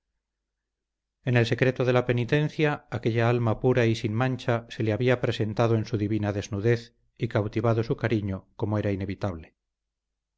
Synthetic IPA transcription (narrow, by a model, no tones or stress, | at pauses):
e̞ne̞lse̞kɾe̞t̪oðe̞lape̞nit̪ẽ̞n̟θjaːke̞ʎaalmapuɾaisinmãnt͡ʃase̞leaβiapɾe̞se̞nt̪aðoensuðiβinaðe̞znuðe̞θ | ikawt̪iβaðo̞sukaɾiɲoko̞moe̞ɾaine̞βit̪aβ̞le